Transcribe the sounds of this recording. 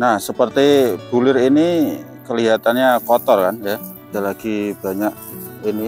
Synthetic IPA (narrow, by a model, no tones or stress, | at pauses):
nahsəpərt̪ib̥ulɪrini | kəliɦat̪anɲakɔt̪ɔrkanja | dalaɡ̥ib̥a̤ɲak̚ | ini